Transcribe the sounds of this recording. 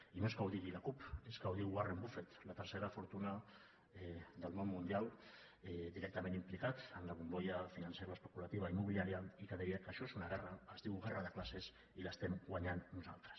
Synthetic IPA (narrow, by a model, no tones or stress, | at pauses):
inoekawðiɣilakupezɡawðiwɣwarembufet̪lat̪əɾseɾafuɾt̪una | d̪əlmommːũnd̪ial | dðiɾɛk̚t̪amenimplikat̪ənlaβumbojafinanseɾaespəkulat̪iβ̞aimuβiliaɾjalikəðɛjekaʃoesunaɣ̞ɛraːzðiwɣɛraðəklases | ilast̪emɡwaɲanːnuzalt̪ɾe̥s